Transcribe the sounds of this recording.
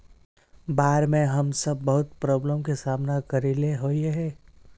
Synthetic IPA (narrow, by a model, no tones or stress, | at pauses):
baːɾmẽɦəmsəbːɐɦʊt̪̚pɾɔːbləmkesaːmnakəɾileɦoːieɦɛː